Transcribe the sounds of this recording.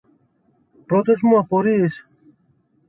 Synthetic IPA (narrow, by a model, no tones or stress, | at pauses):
pɾo̞t̪ezmuɐpo̞ɾiːs